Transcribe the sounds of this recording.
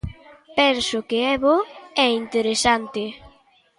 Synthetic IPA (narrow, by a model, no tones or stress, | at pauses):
pɛnsʊkɪɛβoɛint̪eɾesant̪ɪ